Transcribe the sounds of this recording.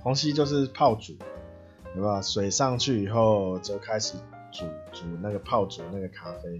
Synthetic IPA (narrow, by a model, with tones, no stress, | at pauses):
hɔ˧˦˥ŋɕi˦t͡ɕjo˥˧ʊʂ̬ɻ̩˥˧pʰɑ˥˨ʊt͡su˨˩ | we˥˩ba˨˩swe˨˩ɪʂɑ˥˧ŋt͡ɕʰy˥˩i˨˩xo˥˨ʊt͡ɕo˥˩ʊkʰa˦ɪʂɻ̩˨˩ | t͡su˨˩t͡su˨˩na˥˩ɡə˩pʰɑ˥˩ʊt͡su˨˩na˥˩ɡə˩kʰa˦fe˧˥ɪ